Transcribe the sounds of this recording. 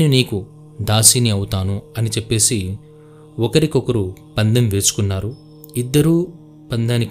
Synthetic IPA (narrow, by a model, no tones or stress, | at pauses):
niniːku | d̪aːsiniɐwut̪aːnuɐnit͡ʃepːe̞ːsi | ɔkɐɾikɔkɐɾupɐnd̪ɐmʋe̞ːsu̥kunːaːɾu | id̪ːɐɾuː | pɐnd̪aːnik